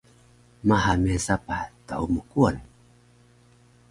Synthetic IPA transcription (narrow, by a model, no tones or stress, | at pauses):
mahamɛsapataumukuan